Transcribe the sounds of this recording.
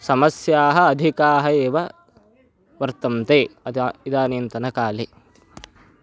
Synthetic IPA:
sɐmɐsjaːɦɐːd̪ʱikaːɦɐeːʋɐ | ʋɐɾt̪ɐmt̪eːɐid̪aːnint̪ɐnɐkaːleː

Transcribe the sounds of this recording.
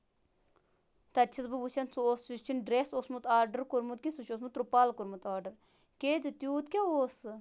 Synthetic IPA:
t̪ɐt͡ʃʰisbɐbut͡ʃʰɐnsoːsut͡ʃʰinɖɾesoːsmut̪aːɾɖəɾkuɾmut̪̚kʲisuʃoːsmut̪ɾupaːlkuɾmut̪aːɾɖəɾ | keːd̪it̪ʲjuːt̪kʲaoːs

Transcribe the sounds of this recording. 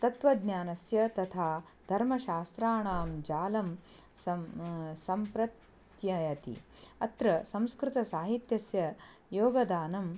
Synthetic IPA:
t̪ɐt̪ʋɐɡ̪nʲjaːnɐsjɐt̪ɐt̪ʰaː | d̪ʱɐɾmɐʃaːst̪ɾaːɳaːmd͡ʒaːlɐm | sɐsɐmpɾɐt̪ | jɐjɐt̪ḭɐt̪ɾɐsɐ̃mskɾɪt̪ɐsaːɦit̪jɐsjɐjoːɡɐd̪aːnɐm

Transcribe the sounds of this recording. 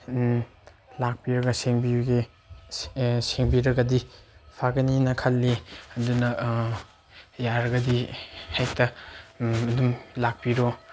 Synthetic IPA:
lak̚piɾɐɡɐseŋbiɡe | seŋbiɾɐɡɐdipʰaɡɐninɐkʰɐlːiɐdunɐ | jaɾɐɡɐdihajtʰɐ | ɐdumlak̚piɾo

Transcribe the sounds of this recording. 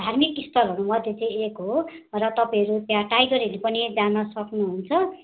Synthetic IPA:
d̪ʱarmikist̪ʌrɦʌɾumʌd̪ʱjet͡sʌĩekɦorʌt̪ʌpaĩɦʌɾut̪jãʈajɡʌɾʌlepʌnid͡zanʌsʌknuɦunt͡sʰʌ

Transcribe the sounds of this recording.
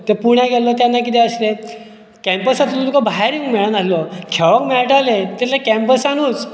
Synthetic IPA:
t̪ɛpuɳjaɡʱɛlɔt̪̬janːak̬it̪ɛ̃əsle | kɛmpəsat̪ut̪ukabʱaɦaɾiŋɡmɛɭənalɔkʰɛʋəkmɛɭʈalet̪alakɛmpəsanuːt͡s

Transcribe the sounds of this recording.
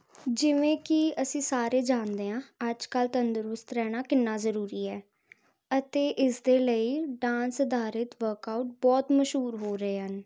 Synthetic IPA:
d͡ʒɪʋẽːkɪəsĩːsaːɾeːd͡ʒaːnd̪eːãːəd͡ʒkəlt̪ənd̪əɾʊst̪ɾɛːɽ̃aːkɪnːaːzəɾuːɾiːɛː | ət̪eːʔɪsd̪eːləiːɖãːnsəd̪aːɾɪt̪ʋəɾkaːuʈ̚bɔːt̪məʃɦuːɾɦoːɾəeːɦən

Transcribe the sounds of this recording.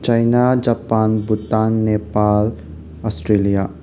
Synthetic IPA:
t͡ʃajnad͡ʒapanbutanːepal | ɔsʈɾelija

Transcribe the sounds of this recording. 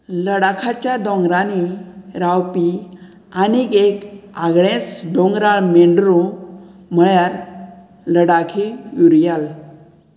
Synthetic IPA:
ləɽakʰat͡ɕjad̪ɔ̃ŋɡɾaniɾawpi | aniɡekaɡɭẽt͡sd̪ɔ̃ŋɡɾaɭmeɳɖɾõ | m̤əɭjaɾ | ləɽakʰijuɾjal

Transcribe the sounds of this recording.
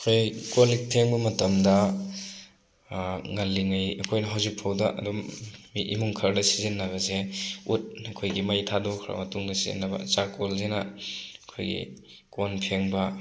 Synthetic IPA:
ɐkʰojkolik̚pʰeŋbɐmɐtɐmdɐ | ŋɐlːiŋɐjɐkʰojnɐɦawzik̚pʰawdɐʔɐ̰dummiʔimuŋkʰɐɾdɐsizinːɐβɐzeut̚ɐkʰojɡimɐjtʰadɔkʰɾa̰mɐtuŋdɐsizḭnːɐbɐ̰t͡ʃakolzenɐɐkʰo̰jɡḭ | konpʰeŋbɐ

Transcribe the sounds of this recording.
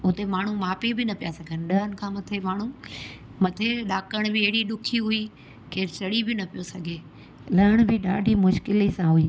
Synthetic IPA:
ʊt̪emaːɳ̤̃umaːpibɪnɐpijasɐɡʱənɪɗɐənɪ̆kʰãːmɐt̪ʰemaːɳ̤u | mɐt̪ʰeɗaːkəɽ̃bɪɐɦɪɽiɗʊkʰiɦʊi | keːɾt͡ɕɐɽibɪnɐpijosɐɡʱe | lɐɪɽ̃bɪɗa̰ːɖʱimʊʃkɪlisãɦʊiː

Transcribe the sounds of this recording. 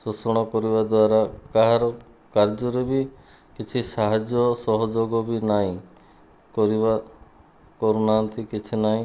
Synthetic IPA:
susɔɽ̃ɔkɔɾibad̪waɾakaɦaɾɔ | kaɾd͡ʒɔɾebi | kit͡ʃʰisaɦad͡ʒjɔsɔɦɔd͡ʒoɡɔbinaĩ | kɔɾiba | kɔɾunant̪ʰikit͡ʃʰinaĩ

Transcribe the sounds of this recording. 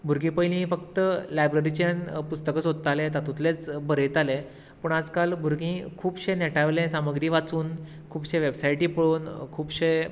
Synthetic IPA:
bʱuɾɡĩpəjlĩĩfəkt̪əlajbɾeɾit͡ɕjanpust̪əkəsɦod̪ət̪alẽt̪at̪ũt̪let͡sbəɾəjt̪ale | pəɳad͡zkalbʱuɾɡĩkʰuːbɕeneʈaʋlẽsaməɡɾĩːʋat͡suːn | kʰuːbɕẽʋebsajʈĩːpəɭuːnkʰuːbɕe

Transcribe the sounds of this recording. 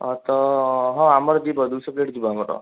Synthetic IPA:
ɔt̪ɔɦɔ̃amɔɾd̪ibɔd̪usɔpleʈd̪ibɔamɔʈɔ̰

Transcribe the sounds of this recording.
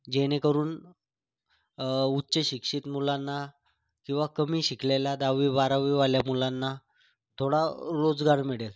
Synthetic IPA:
d͡ʑeñekəɾuːn | utːɕəɕikʂiːt̪mulanːa | kĩw̃ʋakəmiːɕikleljad̪aʋiʋaɾaʋiʋaljamulanːa | t̪ʰoɽaɾod͡zɡaɾmiɽel

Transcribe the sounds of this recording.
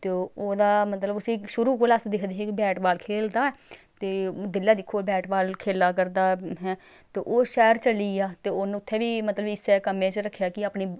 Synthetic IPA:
t̪eːoːd̪aːmət̪ləbʊsĩːʃʊɾuːkoːlaːsd̪eːkʰd̪eːɦekbɛːʈbaːlkʰeːld̪aːɛt̪eːd̪ɪljaːd̪ɪkʰːoːbɛːʈbaːlkʰeːlaːkəɾd̪aːɦɛː | t̪eːʔoːʃɛːəɾt͡ʃəliːaːt̪eːoːñʊt̪ʰːeːʋiːmət̪ləbɪsɛːkəmẽːt͡ʃɾəkʰːjaːkɪaːpniː

